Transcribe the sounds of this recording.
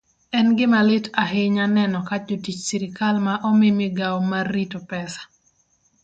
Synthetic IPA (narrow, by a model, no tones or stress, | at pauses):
ɛnɡɪmalɪtʰaɦɪɲanɛnɔkad͡ʒotit͡ʃsiɾɪkalmaʔɔmɪmɪɡawɔmarːitopɛsḁ